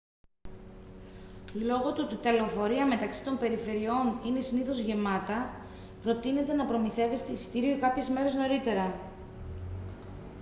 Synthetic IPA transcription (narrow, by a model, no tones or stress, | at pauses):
lo̞ɣo̞t̪uot̪it̪ɐleofo̞ɾiɐme̞t̪ɐksi̥t̪o̞mpe̞ɾife̞ɾio̞nine̞siniθo̞zʝe̞mɐt̪ɐ | pɾo̞t̪ine̞t̪e̞nɐpɾo̞miθe̞ve̞st̪eisi̥t̪iɾiokɐpçe̞zme̞ɾe̞zno̞ɾit̪e̞ɾɐ